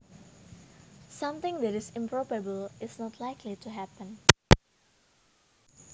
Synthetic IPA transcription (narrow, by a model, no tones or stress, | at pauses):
sãmt̪ɪ̃ŋd̪ɛɾɪsɪ̃mpɾɔbabəlɪsnɔt̪laɪkʰlitʰuɦæpə̃n